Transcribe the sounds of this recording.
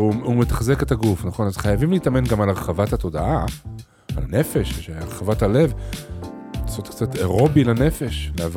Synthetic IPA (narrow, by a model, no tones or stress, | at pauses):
uumetḁχze̞ke̞t̪aɡufnaχo̞nazχajavimleitame̞nɡamalaʁeχavathato̞daʔa | a̰lane̞fe̞ʃʃeʁeχavathale̞v | laso̞t̪kt͡satʰeʁo̞bilane̞fe̞ʃleav